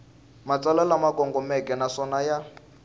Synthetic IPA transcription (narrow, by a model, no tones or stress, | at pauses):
mat͡sʼalalamakʼɔŋɡɔmɛkʼɛnasɔnaja